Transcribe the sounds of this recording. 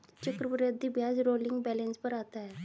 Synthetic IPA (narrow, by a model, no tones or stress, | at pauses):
t͡ʃəkɾəpəɾeəd̪ibjaːd͡zɾoːlɪ̃ŋɡbɛlẽnspəɾaːt̪aɦɛ